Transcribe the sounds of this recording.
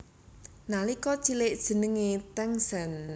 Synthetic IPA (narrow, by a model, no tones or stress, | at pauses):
nalikɔt͡ʃilɪʔd̥ʒ̥ə̤nəŋet̪ɛŋsɛn